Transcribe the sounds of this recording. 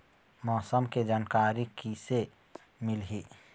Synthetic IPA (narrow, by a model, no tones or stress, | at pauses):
mɔːsəmked͡ʒaːnkaːɾikise | mɪlɦiː